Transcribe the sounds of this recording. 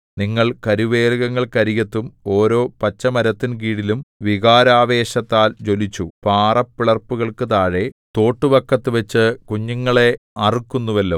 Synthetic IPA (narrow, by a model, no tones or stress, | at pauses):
niŋːɐɭkɐɾiʋe̞ːlɣɐŋːɐɭkɐɾijɐt̪ːumo̞ːɾo̞ːpɐt͡ɕːɐmɐɾɐt̪ːink̬iːɽilumʋiɣaːɾaːʋe̞ːɕɐt̪ːaːld͡ʑo̞lit͡ɕːupaːrɐpːiɭɐrpːuɣɐɭkɨt̪aːɻe̞t̪o̞ːʈːuʋɐkːɐt̪ːɨʋet͡ɕːɨkuɲːuŋːɐɭe̞ɐrikːunːuʋɐlːoː